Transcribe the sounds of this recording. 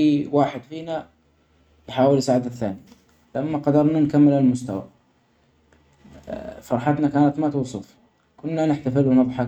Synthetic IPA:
iwaːħɪd̪fiːna | jħaːwɪlsaːʕad̪aθːa̰ːni | lʔamːaqɑd̪ɑɾˤnankamːɪlalmʊst̪awa̰ | fɑɾˤħɑt̪nakaːnat̪mat̪uːsˤʊf | kʊnːanɪħt̪afɪlwɪnɨðˤħɑ

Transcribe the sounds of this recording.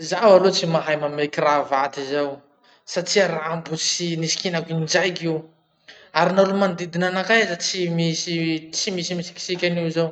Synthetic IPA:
zawalot͡simaɦajmamekiɾavat̪izaw | saʈ͡ʂiaɾambut͡sinisi̥kinakid͡ʒajkiw | aɾinalumand̪id̪inanakazat͡simisit͡simisimisi̥ki̥sikʲaniuzaw

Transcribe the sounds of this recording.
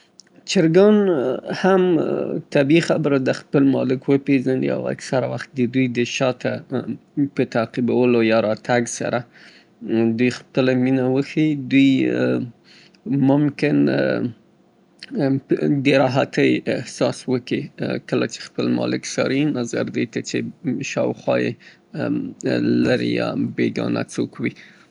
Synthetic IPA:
t͡ʃɪɾɡɑnhamt̪abixabəɾad̪əxpəlmɑlɪkwəpezanḭa̰wa̰ksaɾawaxt̪̚d̪əd̪ujd̪əʃɑt̪a | pət̪aqibawəlojɑɾɑt̪aɡsa̰ɾa | d̪ujxpəlaminawəxid̪uj | mʊmkɪn | deɾɑɦat̪əjɪhsɑswəkikəla̰t͡ʃe̥xpəlmɑ̰lɪksɑ̰ɾinazaɾd̪əjt̪at͡ʃeʃɑwxwɑjḛ | laɾḭjɑ̰beɡɑ̰na̰t͡sokwi

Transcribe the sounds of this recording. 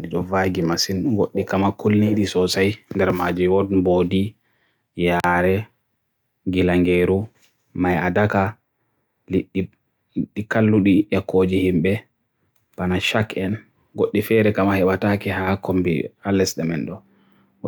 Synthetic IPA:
ɗiɗɔvaɡimasinɡoɗːikamakulniɗisɔsajndɛɾmad͡ʒumwɔdboːdi | jaːɾɛ | ɡilaŋɡeɾu | maja̰daka | lii | ɗːikalːuɗijakʰːod͡ʒihimɓɛ | b̥anaʃakɛn | ɡoɗːifɛɾɛkamahɛɓatakɛɦakombḭalːɛsɗamɛnɗɔ

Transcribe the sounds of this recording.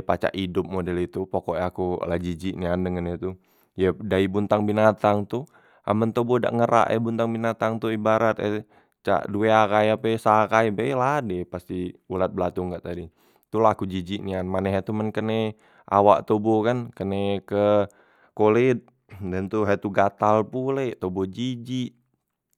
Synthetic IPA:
pat͡ʃa̰ʔidʊp̚modɛlit̪upokoʔakulad͡ʒid͡ʒiʔniandəŋənət̪u | jədaibunt̪aŋbinat̪aŋt̪u | a̰mənt̪oboda̰ʔŋəɾa̰ʔɛ̰bunt̪aŋbinat̪aŋt̪uibaɾat̪ɛ | t͡ʃa̰ʔdueakajapesakajpejladɛpast̪iulat̪̚bəlat̪uŋɡaʔt̪adi | t̪ulakud͡ʒid͡ʒiʔnianmanɛɦat̪umənkəne | ʔa̰waʔt̪obokankənekə | kolit̪̚ | dənt̪uɦat̪uɡat̪alpulet̪obod͡ʒid͡ʒiʔ

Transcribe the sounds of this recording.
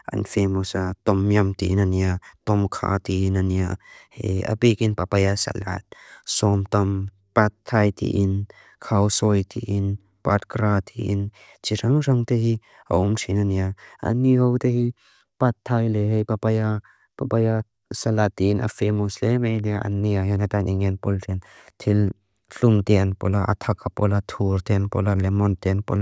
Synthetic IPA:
ʔɐ̰nfemɔsat̪ɔmjɐmt̪iʔnaniat̪ɔmkʰa̰t̪inaniaheja̰pikinpapajasɐ̰la̰t̪̚sɔmt̪ɐm | pat̪ʰːajt̪ḭʔin | kʰawsɔjt̪ʰiʔin | pat̪̚kɾat̪ʰiʔin | t͡ʃiɾɐŋɾɐŋt̪ehi | a̰ʔʊmtʰinaniaʔa̰niɦɔwt̪ehi | pat̪ʰːajleɦejpapaja | papaja | sɐlat̪inʔa̰femɔslemejdiaʔɐ̰nːiaɦɛnat̪ajnʔiŋɛnpɔltɛnt̪ʰil | ɬumt̪ɛanpɔ̰laʔa̰t̪ʰakapɔlat̪ʰuɾt̪ɛnpɔ̰lalɛmɔnt̪ɛnpɔ̰l

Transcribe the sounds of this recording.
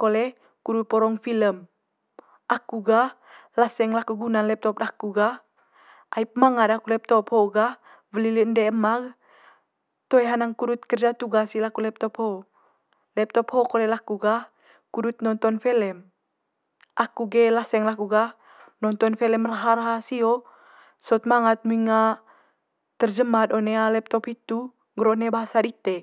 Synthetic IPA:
kolɛ | kuɾut̪̚pɔɾɔŋfiləm | ʔakuɡa | lasɛŋlakuɡunanlɛp̚t̪ɔp̚dakuɡa | ʔaip̚maŋadakulɛp̚t̪ɔphoɡa | vəliləndɛəmaɡ | t̪ojɦanaŋkuɾut̪̚kərd͡ʒat̪uɡasilakulɛp̚t̪ɔpho | lɛp̚t̪ɔphokolɛlakuɡah | kuɾut̪̚nɔnt̪ɔnfɛlɛm | ʔakuɡelasɛŋlakuɡah | nɔnt̪ɔnfɛlɛmraɦaɾɦasio | sɔt̪̚maŋat̪̚muiŋa | t̪ərd͡ʒəmad̪onealɛp̚t̪ɔphit̪u | ŋɡɾonɛbaɦasadit̪ɛ

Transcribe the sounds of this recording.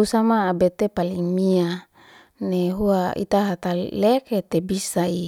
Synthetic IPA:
usamaːbet̪epaliŋmia | neɦuaḭt̪aɦat̪aleket̪ebisai

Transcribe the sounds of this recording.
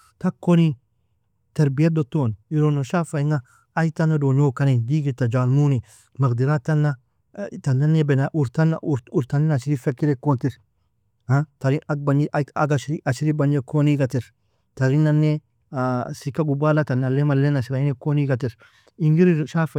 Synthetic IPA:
t̪ɐkːoni | t̪ɐɾbɪjɐd̪ɔt̪ːonɪɾonɔʃaːfɐɪŋaː | jt̪ːɐnːɐd̪oːɲoːkːɐnend̪iːɡɪt̪ːɐd͡ʒaːlmuːnɪ | mɐkd̪ɪɾat̪ːɐnːɐ | t̪ɐnːɐnːebɛnaʔʊɾt̪ɐn̰ɾʊɾt̪ɐnɪnɐʃɪɾifɛkːɪɾɛkːont̪ɪɾ | hat̪ɐɾɪɐk̚bɐɲʔɐ̰ɡɐʃɾiɐʃɪɾibɐɲɛkːoniɡɐt̪ɪɾ | t̪ɐɾɪnɐnːe | sɪkːɐɡʊbːaːlɐt̪ɐnɐlːemɐlːenɐʃɪɾɐɪnɛkːoniɡɐt̪ɪɾ | ɪŋɡɪɾʃaːfɐ

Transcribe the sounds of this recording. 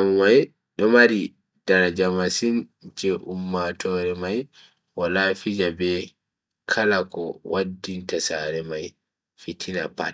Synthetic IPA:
mmaj | ɗɔmaɾi | d̥aɾad͡ʒamasind͡ʒɛʔumːatʰɔɾɛmaj | walaːfid͡ʒabɛ | kʰalakɔwadːintasaɾɛmaj | fitʰina̰pa̰t

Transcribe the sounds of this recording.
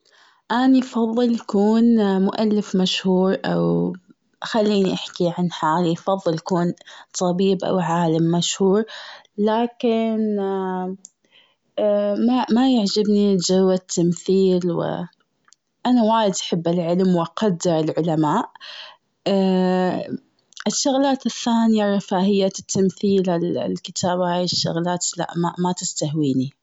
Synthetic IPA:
ʔaniʔfɑðˤːɨljakuːnmʊʔalːɪfmaʃhuːɾˤʔa̰w | xalːiːniʔaħkiʕanħaːlifɑðˤːɨlakuːnt̪ˤɑbiːbʔa̰wʕaːlamːaʃhuːɾˤ | laːkɪn | mamajaʕd͡ʒabnid͡ʒawːat̪ʰːamθiːlwɪ̰ | ʔanawaːjɪd̪ʔaħɪbːɪlʕɪlmwɪʔaqɑd̪ːɪɾɪlʕʊlamaːʔ | ʔɪʃːʊɣlaːt̪ɪθːaːnɪjaɾˤɑfaːhɪjːat̪ːamθiːlallkɪt̪ʰaːbhaːjɪʃːʊ̰ɣlaːt̪la̰ʔmamat̪ɪst̪aɦwiːni

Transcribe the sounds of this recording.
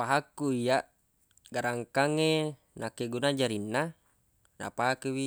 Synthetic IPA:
paɦakːuijaʔ | ɡaɾaŋkaŋe | nakːeɡunad͡ʒaɾinːa | na̰paɦakːewi

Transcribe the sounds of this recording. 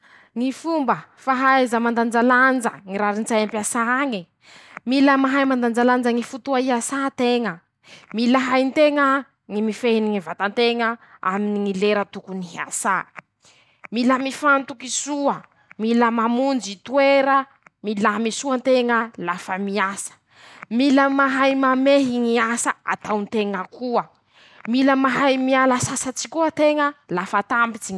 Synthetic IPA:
ŋifumbəfaɦajzəmand̪and͡ʒaland͡zə̰ŋiɾaɾint͡saampasaaŋi | miləmaɦajmand̪and͡zaland͡zəŋifut̪uaiasat̪eŋə | milaɦajnt̪eŋə | ŋimifeniŋivat̪ant̪eŋəa̰miniŋileɾət̪ukuniɦa̰sa | miləmifant̪ukisuə | miləmamund͡ʒit̪ueɾə | milamisuant̪eŋəlafəmiasə̥ | miləmaɦajmameɦiŋiasəa̰t̪awnt̪eŋəkuə | miləmaɦajmialasasat͡si̥kuət̪eŋəlafat̪ambit͡siɲ

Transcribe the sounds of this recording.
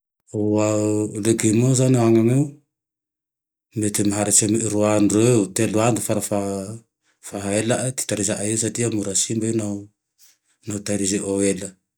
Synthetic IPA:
oalekimozaneaŋamew | metemɦaɾet͡ʃemiɾuandoewteluandufaɾafa | faɦaelaʔti̥taɾisaʔaesatiamuɾasimbana | nawtaɾizeʔoela

